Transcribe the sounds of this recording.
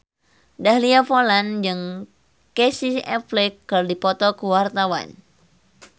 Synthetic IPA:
dahliafoland͡ʒɨŋ | kɛsisɛplɛkːərdipɔt̪ɔkəwart̪awa̰n

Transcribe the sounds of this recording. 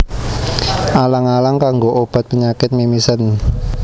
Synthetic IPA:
alaŋalaŋkaŋɡoʔob̥a̤t̪̚pəɲakɪt̪̚mimisən

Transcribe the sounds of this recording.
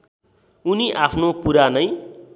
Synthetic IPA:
uniʔapʰnopuɾanʌj

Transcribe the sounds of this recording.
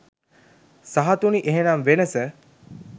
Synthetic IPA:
saɦat̪uniʔeɦenamʋenəsə

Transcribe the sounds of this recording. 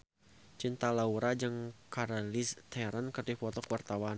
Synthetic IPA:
t͡ʃint̪alauɾad͡ʒɨŋkaɾalist̪ɛɾankɨrdifɔt̪ɔkuwart̪awan

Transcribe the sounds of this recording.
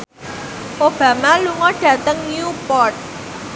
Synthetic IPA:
ʔob̥ä̤maluŋɔɖ̥ä̤t̪əŋnupɔrt̪̚

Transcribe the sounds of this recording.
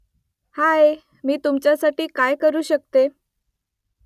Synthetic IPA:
hae | miːt̪umt͡ɕjasaʈiːkajkəɾuːɕək̚t̪e

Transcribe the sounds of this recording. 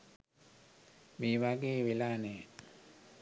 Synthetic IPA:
meːʋaɡeːʋelaːneː

